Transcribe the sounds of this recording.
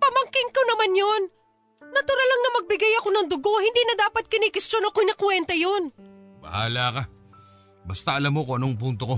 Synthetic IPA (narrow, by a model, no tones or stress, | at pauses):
pɐmɐŋkɪŋkonɐmanjonː | ɐt̪ʊɾalːɐŋnɐmɐɡ̚bɪɡajɐko̞nɐŋd̪ʊɡo̞hɪnd̪iːnɐd̪aːpɐt̪̚kɪnikɪst͡ʃonokojnɐkwɛnt̪ɐjonbɐ̰ha̰ːlaka | bɐst̪aʔɐlamokoʔɐnoŋp̬unt̪oko̞